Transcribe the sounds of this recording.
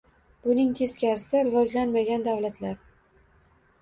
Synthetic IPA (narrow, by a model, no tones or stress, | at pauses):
b̥ʊnɪŋt̪ʰe̞skʲaɾɪsɪɾɪvɒd͡ʒlanmaɡʲand̪avlat̪ʰlaɾ